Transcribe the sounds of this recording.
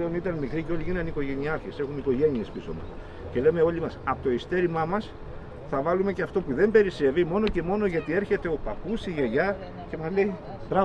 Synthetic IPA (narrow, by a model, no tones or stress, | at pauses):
leonit̪ɐnmikɾiceo̞lʲiʝinɐniko̞ʝe̞niɐɐɾçese̞xuniko̞ʝe̞niespiso̞̰mɐ̰ | ce̞le̞me̞o̞limɐsɐpot̪o̞ist̪e̞ɾimɐmɐs | θɐvɐlume̞ceɐft̪o̞puðe̞mbe̞ɾise̞vimo̞noce̞mo̞no̞ʝɐt̪ie̞ɾçe̞t̪e̞o̞pɐpusiʝeʝɐ | ce̞mɐzle̞i | t̪ɾɐ